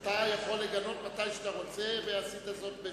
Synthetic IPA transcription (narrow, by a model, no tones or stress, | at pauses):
t̪ajaχo̞lːeɡalo̞t̪mat̪ajʃet̪aʁo̞t͡seveasid̪azo̞t̪̚be